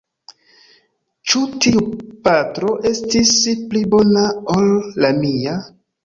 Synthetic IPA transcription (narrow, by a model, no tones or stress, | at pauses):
t͡ʃutiupatɾo̞ʔe̞stisplibo̞naolːamia